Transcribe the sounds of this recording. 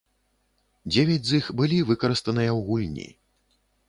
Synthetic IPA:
d͡zʲevʲad͡zʲzixbɨlʲivɨkɐɾɨst̪ɐnɨjɐwɣulʲnʲḭ

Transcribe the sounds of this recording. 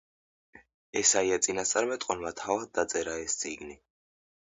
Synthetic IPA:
ɛsaiat̪sʼinast̪sʼaɾmɛt̪ʼqʼɔnmat̪ʰavad̪̚d̪at̪sʼɛɾaɛst̪sʼiɡni

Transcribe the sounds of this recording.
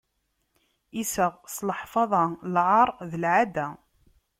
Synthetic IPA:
isəʁsləħfɑðˤɑlʕɑɾˤðəlʕad̪æ

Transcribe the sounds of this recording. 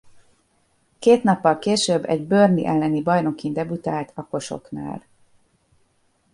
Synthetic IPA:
keːt̪n̪ɒpːɒlkeːʃøbːɛ̰ɟbørnḭʔɛlːɛnibɒjno̞kind̪ɛbut̪aːlt̪ʰɒko̞ʃo̞̰kna̰ːl

